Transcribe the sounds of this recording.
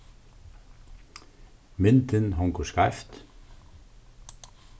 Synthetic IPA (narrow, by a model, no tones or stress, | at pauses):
mɪnt̪ɪnɦɔŋkʊskaɪft̪